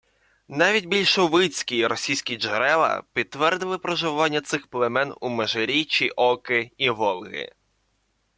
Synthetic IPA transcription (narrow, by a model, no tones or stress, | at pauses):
nɑʋʲidʲbʲilʲʃɔʋɪt͡sʲkʲiɾɔsʲijsʲkʲid͡ʒeɾɛlˠɐ̰pʲid̪̚t̪ʋɛrd̪ɪlˠɪpɾɔʒɪʋɑnʲːɐt̪sɪxplˠemɛnumeʒeɾʲit͡ʃiʔɔkɪiʋɔlˠɣɪ̰